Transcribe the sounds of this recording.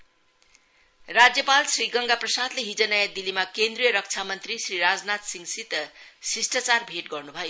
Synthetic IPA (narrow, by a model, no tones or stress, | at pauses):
rad͡zjʌpalsriɡʌŋɡaprʌsad̪leɦid͡zʌnajad̪ilimakend̪rijʌɾʌk̚t͡sʰamʌnt̪risriɾad͡znat̪siŋsit̪ʌsisʈʌt͡sarbʱeʈɡʌrnubʱʌjo